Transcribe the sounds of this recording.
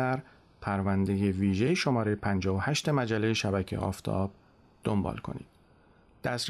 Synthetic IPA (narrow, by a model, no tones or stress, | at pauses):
æɾ | pʰæɾvænd̪e̞je̞viːʒejeʃo̞mɒːɾejepʰænd͡ʒɒːɦohæʃt̪e̞mæd͡ʒælːe̞jeʃæbæcʰḛʔɒ̰ːft̪ʰɒ̰ːb̥ | d̪̥ombɒ̰ːlkʰo̞̰nḭːd̪̥ | d̪̥æsɾ